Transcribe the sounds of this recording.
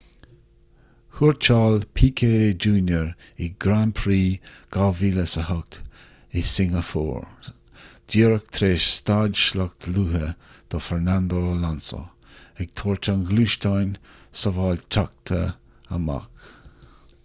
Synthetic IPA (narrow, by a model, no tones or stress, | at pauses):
huɹt͡ʃaːlpʰiːkʰed͡ʒuːnjəɹɪɡɾanpʰɾiːɡ̥aviləsəhʊk̚t̪ | ɪsɪŋəfɔ̰ːɹ | d̥iːɾək̚t̪ʰɾeːʃst̪adʃlak̚t̪luːɦəd̪̥ɔfɛɹnand̪olanso̰ | ɛɡ̥̚t̪ʰoːɹt͡ʃʰanɡluːʃtajnsɔvaːlt͡ʃʰak̚t̪ʰə | ə̰ma̰k